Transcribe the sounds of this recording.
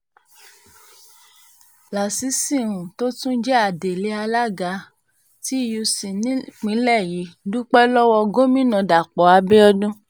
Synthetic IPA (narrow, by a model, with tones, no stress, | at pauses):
la˨si˨˦sĩ˦˨ɾũ˨to˦tũ˦d͡ʒɛ˦a˨de˨le˨˦a˧la˦ɡa˧ | ti˦ju˧sĩ˨nĩ˦k͡pĩ˨˦lɛ˦˨ji˨˦du˦k͡pɛ˦lɔ˦wɔ˧ɡo˦mĩ˦nã˧˨da˨k͡pɔ˨˦a˧be˦ɔ˦dũ˦